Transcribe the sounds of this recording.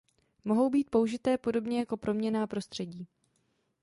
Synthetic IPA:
mo̞ɦo̞wbiːt̪̚po̞uʒɪt̪ɛːpo̞do̞bɲɛjako̞pɾʔo̞mɲɛnaːpɾo̞st̪r̥ɛɟiː

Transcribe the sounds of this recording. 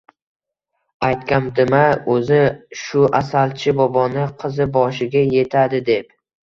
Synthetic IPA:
ajt̪kʲamd̪ɪmaɵzɪʃʊʔasalt͡ʃʰɪbɒbɒnɪqʰɨzɪbɒʃɪɡʲaje̞t̪ʰad̪ɪd̪e̞p

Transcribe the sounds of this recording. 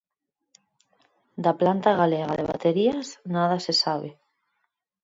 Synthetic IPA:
d̪aplant̪aɣaleɣa̰ðḛβa̰t̪eɾiasnað̞asesaβe

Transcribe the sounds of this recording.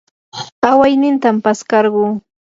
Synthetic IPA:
awajnɪnt̪ampaskɑɾɢuː

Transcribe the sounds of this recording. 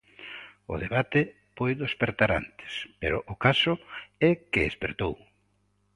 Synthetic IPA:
ʊ̰ðeβat̪ɪ | pojðespeɾt̪aɾa̰nt̪ɪ̥speɾʊʔʊkasʊɛkeespeɾt̪ow

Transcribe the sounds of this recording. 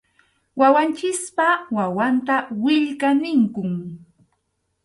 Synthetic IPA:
wawant͡ʃɪspawawant̪awɪʎkanɪŋkʊŋ

